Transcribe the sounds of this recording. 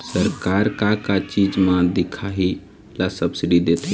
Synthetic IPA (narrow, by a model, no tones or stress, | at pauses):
səɾkaːɾkakat͡ʃiːd͡ʒmãd̪ɪkʰaɦi | lasəbsɪɖid̪et̪ʰe